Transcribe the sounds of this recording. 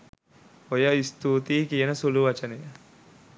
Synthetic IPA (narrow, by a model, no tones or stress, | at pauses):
ojəist̪uːt̪iːkijənəsuluʋɐt͡ʃənejə